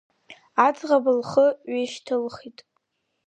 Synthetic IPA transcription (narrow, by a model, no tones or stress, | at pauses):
at͡sʼʁabalχəɥeʃtʰɨlχitʼ